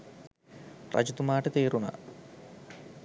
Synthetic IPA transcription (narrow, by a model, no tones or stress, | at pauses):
rʔɐ̰d͡ʑut̪umaːʈət̪eːɾuna̰